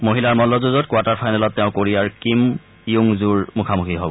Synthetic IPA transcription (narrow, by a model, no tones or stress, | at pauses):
moɦilaɹmɔlɔzuzɔtkwataɹpʰajnɛlɔtːɛʊ̃koɹijaɹkim | ijuŋzuɹmukʰamuxʰiɦɔbɔ